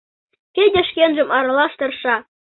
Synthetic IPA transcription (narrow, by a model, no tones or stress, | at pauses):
kʲejdʲeʃkʲenʒɘ̆mɑɾɑlˠɑʃt̪ɤ̆rʃɑ